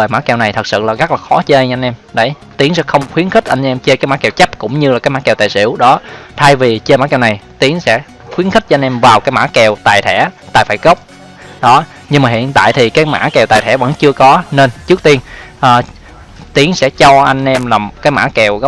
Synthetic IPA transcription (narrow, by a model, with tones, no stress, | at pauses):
əː˨˩jmaː˧˥kɛ˨˩wna˨˩jt̪ʰə˨˩t̚sɨ̰˧˨laː˨˩ɣə˦˥k̚laː˨˩xɔ˨˦t͡ɕe˧ʔa˧ŋ̟ʔɛ˧mɗe˧˩j | t̪i˨˦əŋsɛ̰˧˥xə˧wŋ͡mxwi˨˦ənxi˦˥k̚ʔa˧jŋ̟ʔɛ˧mt͡ɕe˧kaː˨˦jmaː˧˥kɛ˨˩wt͡ɕa˦˥p̚kʊ̰˧˥ŋ͡mɲɨ˧laː˨˩kaː˨˦jmaː˧˥kɛ˨˩wt̪aː˨jsḭ˧˩əwɗɔ˨˦t̪ʰa˧jvi˨˩t͡ɕe˧maː˧˥kɛ˨˩wna˨˩jt̪i˨˦əŋsɛ̰˧˥ | xwi˨˦ənxï˦˥k̚ːjnʔɛ˧mvaː˨˩wkaː˨˦jmaː˧˥kɛ˨˩wt̪a̰ː˨jt̪ʰɛ˧˩t̪a̰ː˨˩jfaː˧˥jɣə˦˥wk͡p̚ | ɗɔ˨˦ | ɲɨ˧ŋmaː˨˩hḭ˧˨ənt̪a̰ː˧˨jt̪ʰi˨˩kaː˨˦jma̰ː˧˥kɛ˨˩wt̪aː˨jt̪ʰɛ̰˧˩və̰˧˥nt͡ɕɨ˧əkɔ˨˦ne˧nt͡ɕɨ˦˥ək̚t̪i˧ənʔəː˨˩ | t̪i˨˦əŋsɛ̰˧˥t͡ɕɔ˧ʔa˧jŋ̟ʔɛ˧mlaː˨˩kaː˨˦jma̰ː˧˥kɛ˨˩wɣə˦˥